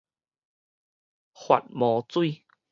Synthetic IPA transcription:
hwa̰˨t̚mɔ̃˨˦t͡swi˥˧

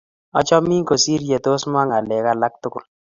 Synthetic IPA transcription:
ɔ̰˦t͡ʃɔ˦mi˦ŋko˨si˦ɾje˨to˦sma˦ŋa˨lɛ˨ka˦la˦k̚tʊ˦kʊ˦˨l

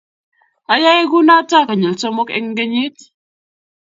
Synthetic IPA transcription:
a˨ja˦je˦ɡu˦na˦ta˦˨ka˨ɲe˨lso˦mo˦kḛ˦ŋ˦ɡe˦ɲi˦t

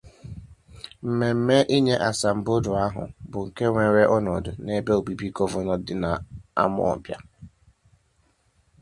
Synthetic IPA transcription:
m̩˨me˨m̩˦me˦ʔi˦ɲe˦ʔa˨sa˨m̩˨bʊ˦dʊ˨a˦ɦʊ̰˨bʊ˨ŋ̩˨ke˦ŋʷe˨ɾe˦ʔɔ˦nɔ˨dʊ˨ne˦be˦o˨bi˦bi˦kɔ˦vɔ˦nɔ˨˦dɪ˨na˨a̰˦mʊ̰˦ɔ̰˨bja̰˦

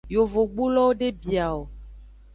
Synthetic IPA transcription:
jo˨vo˨ɡ͡bu˦lɔ˦wo˦ɖe˦bi˨a˨o˨

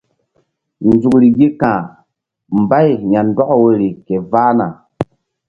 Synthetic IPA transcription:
nzu˨kɾi˨ɡe˦kãː˨ | m˨ba˦jɲa˨ndɔ˦ʔwe˨ɾi˨ke˨vaː˦na̰˨

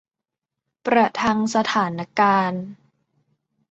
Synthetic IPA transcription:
pɾa˧t̪ʰa˧ŋsa˧t̪ʰaː˩˦nʔa˧kaː˧n

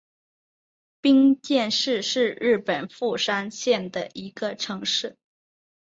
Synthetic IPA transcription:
pi˥ŋt̪jɛ˥˧nʂɻ̩˥˧ʂɻ̩˥˧ɻɻ̩˥˩pə˨˩nfu˥˩ʂa˥nɕjɛ˥˩nd̪ə˩ʔi˧˥ɡə˧ʈ͡ʂʰɤ˧˥ŋʂɻ̩˥˩

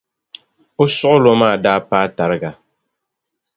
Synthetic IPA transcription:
ʊ˦sʊ˦ʔʊ˦lo˦maː˦˨daː˦paː˦ta˨ɾɨ˦ɡa˨

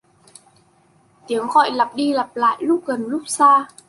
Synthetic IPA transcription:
t̪i˨˦əŋxɔ̰˧˨jla˨˩p̚ɗi˧lə˨˩p̚la̰ː˧˨jlʊ˦˥k͡p̚ɣə˨˩nlʊ˦˥k͡p̚saː˧

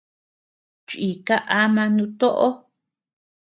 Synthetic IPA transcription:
t͡ʃi˨ka˦ʔa˦mã˧nũ˧t̪o˦ʔo˦

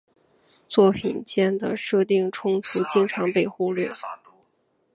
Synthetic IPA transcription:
t͡swɔ˥˩pʰi˨˩nt͡ɕjɛ˥˩nd̪ə˩ʂɤ˥˧t̪i˥˩ŋʈ͡ʂʰʊ˥ŋt̪ʰu˧˩t͡ɕi˥ŋʈ͡ʂʰɑ˧˥ŋpe˥˧ɪxu˥˧ljɛ˥˩˥

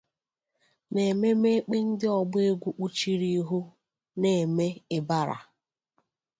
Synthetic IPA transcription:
ne˨me˦me˦k͡pi˦n̩˦dɪ˦ɔ˨ɡ͡be˦ɡʷu˦ʔu˦t͡ʃi˦ɾi˦ɦu˦ | ne˨me˦ɪ˨ba˦ɾa̰˨

